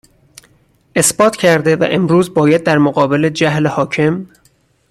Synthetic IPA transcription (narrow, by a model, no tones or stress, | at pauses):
ʔe̞sb̥ɒːt̪ʰcʰæɾd̪e̞væ̰ʔemɾuːzbɒːjæd̪̚ːæɾmoɣɒːbe̞led͡ʒæhlehɒːcʰe̞m